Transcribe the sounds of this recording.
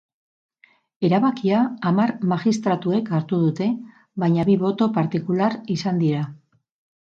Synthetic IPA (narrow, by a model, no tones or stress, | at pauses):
e̞ɾaβakiaːmaɾmaɣist̪ɾat̪ue̞kaɾt̪uð̞ut̪e̞ | βajɲaβiβo̞t̪o̞paɾt̪ikulaɾisand̪iɾa